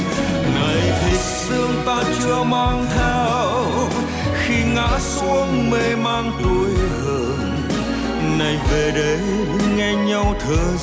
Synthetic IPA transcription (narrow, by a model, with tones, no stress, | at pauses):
na˨˩jvʰi˨˩t̚sɨ˧əŋt̪aː˧t͡ɕɨ˧əmaː˧ŋt̪ʰɛ˧ | w | xi˧ŋa̰ː˧˥su˧˦˥əŋme˧˩maː˧ŋt̪u˨˦əjhəː˧ | n | na˨˩jve˨˩ɗə˨˦j | ŋɛ˧ɲa˧wt̪ʰəː˨˩